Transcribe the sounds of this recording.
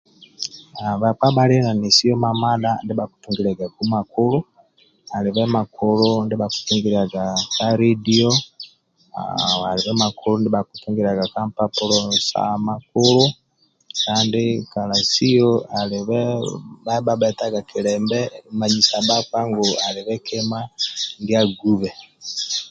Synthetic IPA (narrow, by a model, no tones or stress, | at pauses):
aβak͡pabalinanisijɔmamalandiβaku̥tuŋɡiɾaɡakumakulu | aliβɛmakulundiβaku̥tuŋɡiɾaɡakaɾidiɔ | a̰aliβɛmakulundiβakutuŋɡiɾaɡakampapulɔsa̰makulu | kaːndikalasioaliβɛβaβaβɛtaɡakʰilɛmbɛmaɲisabakaŋɡoaliβɛkemandiaɡuβɛ